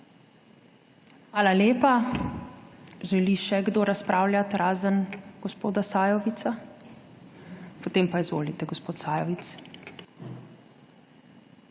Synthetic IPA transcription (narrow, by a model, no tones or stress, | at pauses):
xʋaːlaljeːpa | ʒɛliʃɛɡd̪oːɾaspɾaːwlʲjat̪ɾaːzənɡ̥ɔspoːd̪asaːjɔʋit̪sa | pɔt̪eːmpaizʋo̰ːlit̪ɛɡɔspoːt̪saːjɔʋit̪s